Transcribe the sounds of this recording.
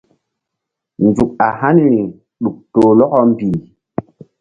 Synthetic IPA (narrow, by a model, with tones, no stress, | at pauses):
nd͡zu˨ka˨ha˦nɾi˨ | ɗu˨k̚to˨lɔ˦kɔ˦m˦biː˨